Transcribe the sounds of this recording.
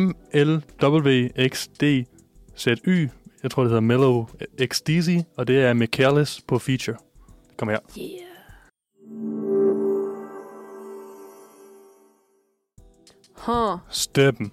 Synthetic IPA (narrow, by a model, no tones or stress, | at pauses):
m | eld̥ɒ̽b̥l̩ʋe̝̰ːeɡ̥sd̥e̝̰ː | sed̥y̰ːjɑ̈t͡sʰo̝ɐ̰d̥ehe̝ðˠɐmeloeɡ̥sd̥is̬iɒ̽d̥e̝æɐmekʰæɐlespʰɒ̽fiːɕɐ | d̥e̥kʰɒmɐja̰ | hɔsd̥eb̥m̩